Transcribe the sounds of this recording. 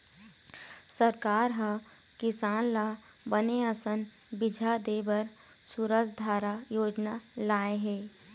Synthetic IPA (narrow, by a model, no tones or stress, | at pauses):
səɾkaːɾɦə | kɪsaːnlaː | bəneəsən | bɪd͡ʒʱad̪eːbəɾ | suɾəsd̪ʱaːɾajoːd͡ʒnalaːeɦɛː